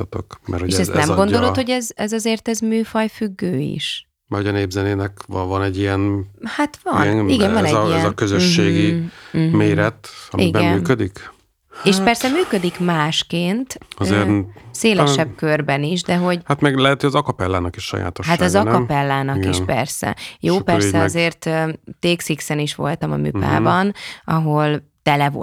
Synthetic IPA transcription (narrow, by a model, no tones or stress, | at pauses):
ɒt̪o̞̰kmɛ̰ɾhoeʃɛznɛmɡo̞no̞lo̞t̪ho̞ɟɛzɛzɒzeːrt̪ɛzmyːfɒjfyɡːøːḭʃ | mɛrhoɒneːbzɛneːnɛkvvɒnɛɟːijɛnhat̪vɒniɡɛvɒnɛziɛnzɒkøzøʃːeːɡimeːɾɛt̪ɒ̰mḭbɛɛmmnyːkød̪ik | eːʃpɛrsɛmyːkød̪ikmaːʃkeːnt̪ɒzeɾseːlʃɛb̚kørbɛniʃd̪ɛɦo̞ɟhat̪mɛɡlɛɦɛt̪hojɒzɒkɒpɛlːaːnɒkiʃʃɒ̰ja̰ːt̪oʃhat̪ɒzɒkɒpɛlːaːnɒɡkiʃpɛ̰rsɛ̰joːpɛssɛzeːrt̪øt̪eːksiksɛniʃʋo̞̰lt̪ɒmɒ̰my̰pa̰ːbɒnɒɦo̞lt̪ɛlɛvo